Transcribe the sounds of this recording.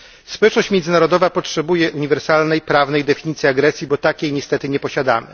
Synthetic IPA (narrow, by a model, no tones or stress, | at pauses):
spɔwɛt͡ʂnɔɕt͡ɕmʲjɛnzɘnaɾɔd̪ɔvapɔtʂɛbujɛʔuɲivɛɾsalnɛjpɾavnɛjd̪ɛfʲiɲit̪sʲiaɡɾɛsʲjibɔt̪akʲejɲɛst̪ɛt̪ɘɲɛpɔɕad̪amɘ̰